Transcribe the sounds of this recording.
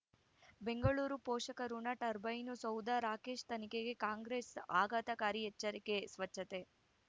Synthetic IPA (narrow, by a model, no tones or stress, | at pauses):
be̞ŋɡɐɭuːɾupoːʂɐkɐɾunɐʈɐɾbɐjnusɐwd̪aɾaːkeːʂt̪ɐnikeɡe̞kaːŋɡɾeːsaːɡaːt̪ɐkaːɾiɛt͡ʃːɐɾikesʋɐt͡ʃːɐt̪e